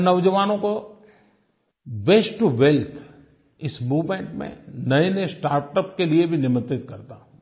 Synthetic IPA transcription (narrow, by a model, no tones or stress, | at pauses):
nɐʋd͡ʒəʋaːnõko | ʋeːsʈuʋɛlt̪ʰ | ɪsmuːʋmẽːɳʈmḛ̃nɐenɐesʈaːɾʈəpkeliebʱinɪmət̪ɪt̪kɐɾt̪aː